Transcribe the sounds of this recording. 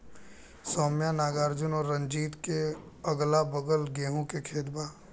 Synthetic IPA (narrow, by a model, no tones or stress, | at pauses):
sɔːmjanaːɡaːɾd͡ʒʊnɔːɾːə̃ɲd͡ʒiːt̪ke | əɡlabəɡəlɡeːɦũkekʰeːd̪baː